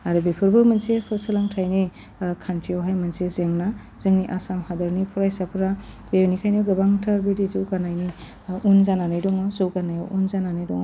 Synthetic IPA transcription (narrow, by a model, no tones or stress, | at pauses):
aɾɯbepʰɯɾbɯmɯnsepʰɯsɯlaŋtʰajni | kʰantɾiawɦajmɯnsezeŋna | z̥eŋniʔasamhadaɾnipʰɔɾajsapʰɯɾa | benikʰajnɡɯbaŋtʰaɾbidizɯwɡanajni | unzananɯjdɔŋɔzowɡanaja̰ʔunzananɯjdɔŋ